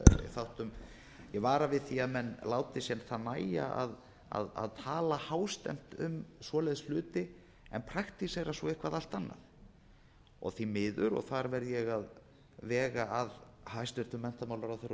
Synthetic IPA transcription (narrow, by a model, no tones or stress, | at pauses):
θawht̪ʏm | jɛɣvaːɾavɪðθiaðmɛnːlaːwt̪ɪsjɛnθaðnaːja̰a̰ð | a̰ða̰ðt̪ʰaːlahaːwst̪ɛ̰m̥t̪ʏmsvɔːlɛjðslʏːt̪ɪ | ɛnpʰɾakt̪iseɾasvɔɪhkvaðal̥t̪anːa̰ð | ɔ̰ɣθimɪːðʏɾɔ̰ɣθaɾvɛɾðjɛɣað | vɛːɣaað | hajst̪vɪɾ̥t̪ʏmːɛn̥t̪amawlaɾawθɛɾ